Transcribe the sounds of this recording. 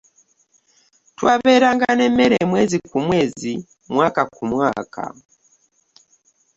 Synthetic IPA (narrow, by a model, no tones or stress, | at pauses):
twaβeːɾaŋɡanemeɾemweːzikumweːzi | mwaːkakumwaːkʰa̰